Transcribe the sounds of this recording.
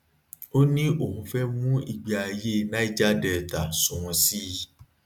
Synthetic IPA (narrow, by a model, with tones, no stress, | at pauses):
o˦nĩ˦ʔo˦˨hũ˨˧fɛ˦mũ˦i˨ɡ͡bi˨a˧je˦˨nã˦i˦d͡ʒa˦dɛ˨ta˨sũ˨w̃ɔ̃˨si˦